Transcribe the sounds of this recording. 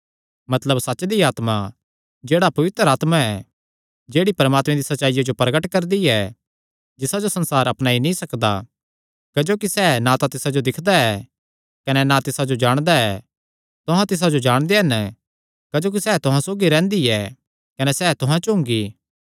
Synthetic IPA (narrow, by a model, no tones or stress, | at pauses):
mɐt̪ləbsɐt͡ʃd̪iaːt̪ma | d͡ʒeːɽapɐʋɪt̪ɾaːt̪maɛ | d͡ʒeːɽipɐɾəmaːt̪mẽd̪isɐtːʃaːijad͡ʒopɾɐɡəʈkɐɾd̪iɛ | d͡ʒɪsad͡ʒosɐ̃nsaːɾɐpnaːinĩsɐkd̪a̰ | kɐd͡ʒoːkisɛːnat̪at̪ɪsad͡ʒod̪ɪkʰd̪aɛ | kɐnɛnat̪ɪsad͡ʒod͡ʒaːɽ̃d̪aɛ | t̪ʊɦãt̪ɪs̬ad͡ʒod͡ʒaːɽ̃d̪eɦɛn | kɐd͡ʒoːk̬isɛːt̪ʊɦãsoːɡiɾɛ̃ːnd̪iɛ | kɐnɛsɛːt̪ʊɦãt͡ʃɦʊ̃ŋɡiː